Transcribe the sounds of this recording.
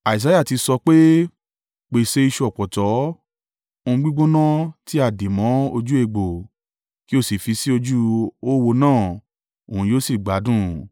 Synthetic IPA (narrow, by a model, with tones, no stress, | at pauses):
a˨i˨s̬a˨˦ja˦˨ti˧sɔ˧k͡pe˦ | k͡pe˨se˦i˧ʃu˧ɔ˨k͡pɔ˨tɔ˨˦ | o˧ũ˧ɡ͡bi˦ɡ͡bo˦nã˦ti˦a˦˨di˨mɔ̃˨˦o˧d͡ʒu˦e˧˨ɡ͡bo˨ | ki˦o˦˨si˨fi˧si˦o˧d͡ʒu˦o˦wo˧nãː˦˨ | o˨hũ˧joː˦si˦˨ɡ͡ba˨˦dũ˦